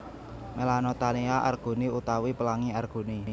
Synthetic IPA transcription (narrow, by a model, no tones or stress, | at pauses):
melanot̪aniaʔa̰rɡ̥o̤niut̪awipəlaŋiarɡ̥o̤ni